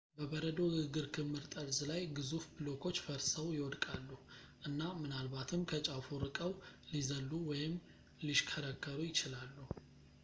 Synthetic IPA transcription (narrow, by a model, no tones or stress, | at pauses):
bəβəɾəd̪o̞ɡɨɡɨɾkʰɨmːɨɾt̪ʼəɾzlajɡɨzufbɨlo̞kʰo̞t͡ʃːfəɾsəwjɪwɔd̪kʼalːuh | ʔɨnːamɨnalbat̪ʰɨmkʰət͡ʃʼafuɾɨkʼəwlizəlːuwɔjɪm | liʃkʰəɾəkʰːəɾujɪt͡ʃɪlalːuh